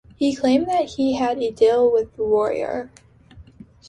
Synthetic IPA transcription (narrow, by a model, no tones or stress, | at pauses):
hikʰl̥ẽɪ̃mðɨt̚hiɨɾɨdilˠwɪðəwɔɹḭə̰˞